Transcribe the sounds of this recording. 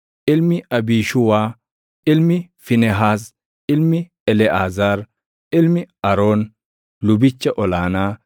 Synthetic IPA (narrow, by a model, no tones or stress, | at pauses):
ʔɪlmɪʔɐbiːʃʊwaː | ʔɪlmɪfɪnɛɦaːs | ʔɪlmɪ | ɛlɛʔaːzaːɾ | ʔɪlmɪʔɐɾoːn | lʊbɪt͡ʃːɐʔɔlaːnaː